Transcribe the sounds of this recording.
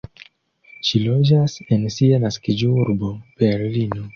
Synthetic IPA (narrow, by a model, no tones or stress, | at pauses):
ʃilod͡ʒasensianaskid͡ʒouɾbob̥eɾlino